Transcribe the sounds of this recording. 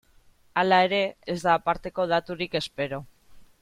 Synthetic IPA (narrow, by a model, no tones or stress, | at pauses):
alae̞ɾe̞ːzd̪aːpaɾt̪e̞ko̞ð̞at̪uɾike̞spe̞ɾo